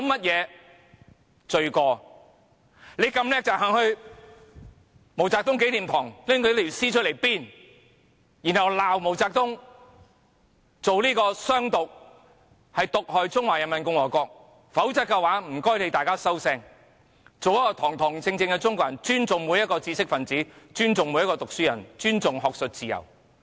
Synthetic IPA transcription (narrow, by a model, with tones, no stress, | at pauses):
ɐ˨˧wmɐ˥t̚jɛː˨˧ | t͡ʃɵ˧ɥkɔː˧ | le˨˧jkɐ˧mlɛː˥k̚t͡saː˨k̚ɦɐː˨ŋhɵ˧ɥ | mo˨˩wt͡saː˧k̚t̪ʊ˥ŋk̬e˨˥jt̪iː˨˩mt̪ʰɔː˨˩ŋlɪ˥ŋkːli˨˩siː˥t͡ʃʰɵ˥le˨˩jpiː˥n | jiː˨˩nhɐ˨wlaː˨wmo˨˩wt͡saː˧k̚t̪ʊ˥ŋ | t͡so˨wliː˥kɔː˧sœː˥ŋt̪ʊ˨k̚ | hɐ˨jt̪ʊ˨k̚ɦɔː˨jt͡sʊ˥ŋwaː˨˩jɐ˨˩nmɐ˨nkʊ˧ŋwɔː˨˩kɔː˧k̚ | fɐ˨˥wt͡sɐ˨˧t̚kːɛ˧waː˨˥m̩˨˩kɔː˥jt̪e˨˧jt̪aː˨jkaː˥sɐ˥wsɛː˧ŋ | t͡so˨wjɐ˥kːɔː˧t̪ʰɔː˨˩ŋt̪ʰɔː˨˩ŋt͡sɪ˧ŋt͡sɪ˧ŋkɛ˧t͡sʊ˥ŋkʷwaː˨˩nt͡ʃyː˥nt͡sʊ˨ŋmuː˨˧jɐ˥tkɔː˧t͡siː˧sɪ˥k̚fɐ˨nt͡siː˨˥t͡ʃyː˥nt͡sʊ˨ŋmu˨˧jɐ˥tkɔː˧t̪ʊ˨k̚syː˥jɐ˨˩nt͡ʃyː˥nt͡sʊ˨ŋɦɔː˨˧k̚sɵ˨t̚t͡siː˨˩jɐ̰˨˩w